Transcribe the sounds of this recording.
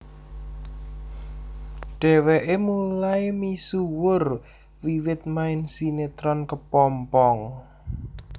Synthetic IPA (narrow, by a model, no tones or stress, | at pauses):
ɖ̥ɛ̤wɛʔemulaemisuwʊr | wiwɪt̪̚maɪnsinet̪ɾɔnkəpɔmpɔŋ